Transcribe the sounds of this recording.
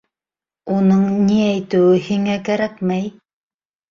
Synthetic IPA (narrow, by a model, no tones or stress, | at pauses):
unɤɴniæjt̪ɘ̆wɘhiŋækæɾæk̚mæj